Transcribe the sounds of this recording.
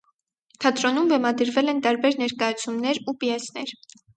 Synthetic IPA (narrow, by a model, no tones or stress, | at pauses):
t̪ʰɑt̪ɾɔnumvɛmɑd̪əɾvɛlɛnt̪ɑɾbɛɾnɛɾkɑjɑt͡sʰumnɛɾupiɛsnɛɾ